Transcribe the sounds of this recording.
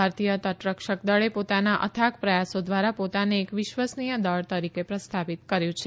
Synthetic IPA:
aɾt̪ijət̪əʈɾəkʃək̚d̪əɭepot̪anaʔə̰t̪ʰakpɾəjasod̪ʋaɾapot̪aneːkʋɪʃʋəsnijəd̪əɭt̪əɾikepɾəst̪ʰapit̪kəɾjũt͡ʃʰe

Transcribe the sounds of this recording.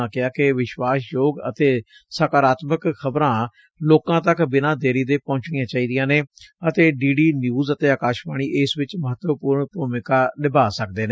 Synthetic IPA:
ãːkɪaːkɪʋɪʃwaːsjoːɡə̰t̪eː | sakaːɾaːt̪məkxʰəbɾãː | loːkãːt̪əkbɪnãːd̪eːɾiːd̪eːpɔ̃ːɲt͡ʃɽijãːt͡ʃaːiːd̪ijãːneːət̪eːɖiːɖiːnjuːzət̪eːaːkaːʃbaːɽ̃iːʔɪsʋɪt͡ʃməɦət̪ʋəpuːɾɳpuːmɪkaːnɪbaːsək̚d̪eːneː

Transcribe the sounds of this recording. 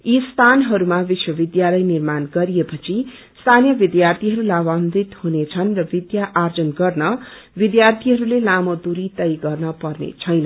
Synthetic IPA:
ist̪ʰanɦʌɾumabiswʌbid̪jalʌjnirmanɡʌɾijepʌt͡sʰi | st̪ʰanijʌbid̪jart̪ʰiɦʌɾulaband̪it̪hunet͡sʰʌnrʌbid̪jaʔard͡zʌnɡʌrnʌ | bid̪jart̪ʰiɦʌɾulelamʌd̪uɾit̪ʌjɡʌrnʌpʌrnḛt͡sʰʌjnʌn

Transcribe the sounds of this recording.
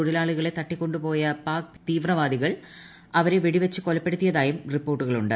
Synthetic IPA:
uɽɐlaːɭuɣɐɭe̞t̪ɐʈːikʲːo̞ɳɖupo̞ːjɐpaːkt̪iːʋrɐʋaːd̪iɣɐɭ | ɐʋɐɾeʋiɽiʋɐt͡ɕːɨkolɐpːe̞ɽut̪ːijɐðaːjumripːo̞ːrʈːuɣɐɭuɳɖɨ

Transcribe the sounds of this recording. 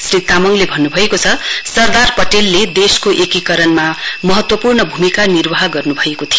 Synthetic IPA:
srit̪amʌŋlebʱʌnːubʱʌekot͡sʰʌsʌrd̪arpʌʈelːed̪eskoʔekikʌɾʌnmamʌɦʌt̪wʌpurnʌbʱumikanirwaɦaɡʌrnubʱʌekot̪ʰio

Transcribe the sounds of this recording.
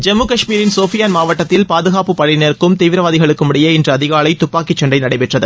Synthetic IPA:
d͡ʒɛmːuːkɐʂmiːɾɪnsoːfɪjaːnmaːʋɐʈːɐt̪ːɪlpaːðɯɣaːpɯpɐɭɪnɐɾkːɯmt̪iːʋɪɾɐʋaːðɪɣɐɭɯkːɯmʊɽɪjɐɪndrɐɐðɪɣaːɭɐɪt̪ʊpːaːkːit͡ʃːɐɳɖɐɪnɐɽɐɪpɛʈrɐðɯ

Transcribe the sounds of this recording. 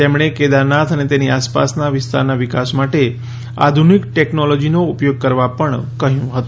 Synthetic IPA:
t̪emɳ̃eked̪aɾnat̪ʰənet̪eniaspa̰snaʋɪst̪a̰ɾnaʋɪkasmaʈe | a̰d̪ʱunikʈeknɔlɔd͡ʒinoupjoɡ̚kəɾʋapəɳkəɦjũɦət̪ũ

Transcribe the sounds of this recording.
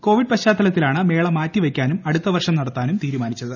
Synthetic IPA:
ko̞ːʋiɖ̚pɐɕaːt̪ːɐlɐt̪̬ːilaːɳɨme̞ːɭɐmaːtːiʋɐkʲːaːnumɐɽut̪ːɐʋɐrʂɐmnɐɽɐt̪ːaːnumt̪iːɾumaːnit͡ɕːɐðɨ

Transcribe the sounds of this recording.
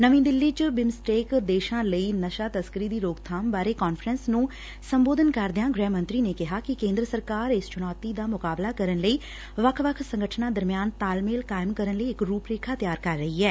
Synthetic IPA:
nəʋĩːd̪ɪlːiːt͡ʃəbɪmsʈeːkd̪eːʃãːləiːnəʃaːt̪əskɾiːd̪iːɾoːɡt̪ʰaːmbaːɾeːkɔːnfɾənsnũː | səmboːd̪ənkəɾd̪ɪjãːɡɾɛːmə̃nt̪ɾiːneːkɪɦaːkɪkẽːnd̪ɾəsəɾkaːɾɪst͡ʃʊnɔːt̪iːd̪aːmʊkaːblaːkəɾənləiː | ʋəkʰʋəkʰsə̃ŋɡəʈʰnãːd̪əɾmɪjaːnt̪aːlmeːlkaːɪmkəɾənləiːɪkɾuːpɾeːkʰaːt̪jaːɾkəɾːəɦiːɛː

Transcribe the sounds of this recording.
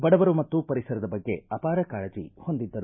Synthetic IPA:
bɐɽɐʋɐɾumɐt̪ːupɐɾisɐɾɐd̪ɐbɐɡːe̞ɐpaːɾɐkaːɭɐd͡ʒḭho̞nd̪id̪ːɐɾu

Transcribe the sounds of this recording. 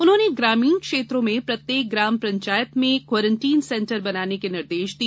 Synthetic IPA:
ʊnɦõːneɡɾaːmĩːnkʃeːt̪ɾõmẽpɾɐt̪jeːk̚ɡɾaːmpɾɐ̃ɲt͡ʃaːjət̪mẽkwɔːɾə̃ɳʈiːnsɛ̃ɳʈəɾbɐnaːnekenɪɾd̪eːʃd̪i

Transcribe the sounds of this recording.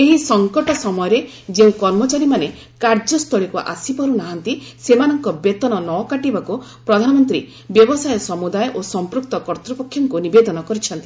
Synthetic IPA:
eɦisɔŋkɔʈɔsɔmɔjɔɾe | d͡ʒeũkɔɾmɔt͡ʃaɾimane | kaɾd͡ʒɔst̪ʰɔɭikuʔa̰sipɔɾunaɦant̪isemanɔŋkɔbet̪ɔnɔnɔkaʈibaku | pɾɔd̪ʱanɔmɔnt̪ɾi | bjɔbɔsajɔsɔmud̪ajɔʔosɔmpɾuk̚t̪ɔkɔɾt̪ɾɔpɔkʰːjɔŋkunibed̪ɔnɔkɔɾit͡ʃʰɔnt̪i

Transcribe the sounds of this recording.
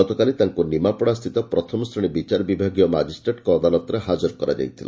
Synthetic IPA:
ɔt̪ɔkalit̪aŋkunimapɔɽ̃ast̪ʰit̪ɔpɾɔt̪ʰɔmɔsɾiɽ̃ibit͡ʃaɾɔbibʱaɡijɔmad͡ʒisʈɾeʈkɔːd̪alɔt̪ɔɾeɦad͡ʒɔɾkɔɾad͡ʒa̰jt̪ʰila̰

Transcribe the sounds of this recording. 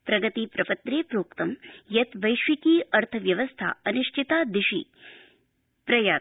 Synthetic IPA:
pɾɐɡɐt̪iːpɾɐpɐt̪ɾeːpɾoːkt̪ɐmjɐt̪ʋɐjʃʋikiːɐɾt̪ʰɐʋjɐʋɐst̪ʰa̰ːɐniʃʈʰit̪aːd̪iʃḭː | pɾɐjaː

